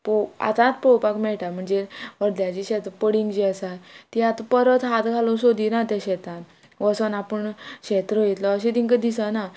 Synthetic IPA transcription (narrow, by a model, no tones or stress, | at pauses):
poa̰t̪ãt̪powpakmɛɭʈam̤əɳd͡zeəɽljat͡ɕiɕɛt̪ɾəpəɽiŋɡd͡ʑiəsat̪ːiat̪apəɾət̪ɦat̪ɡʱalosod̪inat̪aɕɛt̪ãn | ʋəsənapəɳɕet̪ɾəjet̪lɔəɕ̬ẽt̪ĩŋkəd̪isana